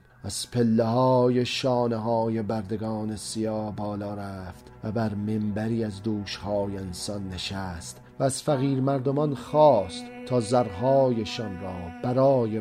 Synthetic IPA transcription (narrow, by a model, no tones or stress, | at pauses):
æz̥pʰe̞lːeɦɒːje̞ʃɒːneɦɒːje̞bæɾd̪e̞ɡɒːne̞sijɒːhbɒːlɒːɾæːft̪væbæɾme̞mbæɾiːæzd̪uːʃhɒːjeensɒnːe̞ʃæst̪ | væːz̥fæɣiːɾmæɾd̪o̞mɒnxɒːst̪t̪ʰːɒːzæɾɦɒːjeʃɒnrɒːb̥æɾɒːje